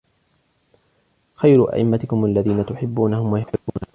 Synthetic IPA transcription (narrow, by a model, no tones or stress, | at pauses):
xajɾʊʔa̰ʔɪmːat̪ɪkʊmʔalːaðiːnat̪ʊħɪbːuːnahʊmwajʊħɪbːuːna